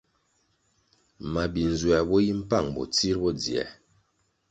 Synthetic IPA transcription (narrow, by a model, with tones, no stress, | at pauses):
ma˨bi˨n˨zwɛ˨bɔ˦ji˦m̩˦pa˦˨ŋbɔ̰˨t͡si˦ɾbɔ˦d͡zi˨ɛ̰˨˦